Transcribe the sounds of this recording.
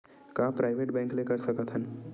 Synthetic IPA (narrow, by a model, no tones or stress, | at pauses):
kapɾajʋeʈbɛ̃ŋklekəɾsəkət̪ʰan